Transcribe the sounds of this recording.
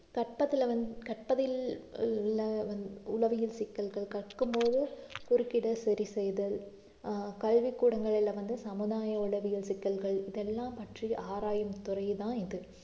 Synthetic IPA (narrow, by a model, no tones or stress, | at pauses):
kɐʈ̚pɐt̪ːɪlɐɐnkɐʈ̚pɐðɪ | lːɐɐʊlɐʋɪjɪlsɪkːɐlɣɐɭkɐʈkːɯmpoːðɯkʊɾɯkːɪɽɐsɛɾisɛjðɐl | kɐɻʋɪkːuːɽɐŋɡɐɭɪlɐʋɐnd̪ɯsɐmɯðaːjɐʊlɐʋɪjɪlsɪkːɐlɣɐɭɪðɛlːaːmpɐʈriʔaːɾaːjɐmt̪ʊrɐɪðãːɪðɯ